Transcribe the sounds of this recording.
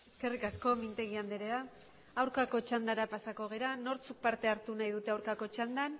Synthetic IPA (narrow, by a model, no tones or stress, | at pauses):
e̞ske̞rikasko̞mint̪e̞ɣ̞iand̪eɾea | awɾkako̞t͡ʃand̪aɾapasako̞ɣ̞e̞ɾano̞ɾt͡suk̚paɾt̪e̞aɾt̪unajðut̪e̞awɾkako̞t͡ʃand̪an